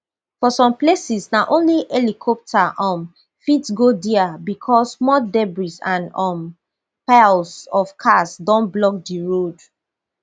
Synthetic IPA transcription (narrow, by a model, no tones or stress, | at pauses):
fɔsɔ̃mplesisnaʔõnliʔɛlikʰɔp̚tʰaʔɔ̃m | fitsɡodiabikʰɔsmɔdɛbɹisãnɔm | palsɔfkʰasdɔ̃nblɔk̚diɹod